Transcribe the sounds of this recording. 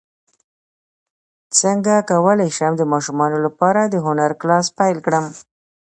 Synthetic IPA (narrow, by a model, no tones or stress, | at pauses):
t͡səŋɡakawəlajʃamd̪əmɑʃumɑnolapɑɾad̪əɦʊnaɾklɑspajlkɽəm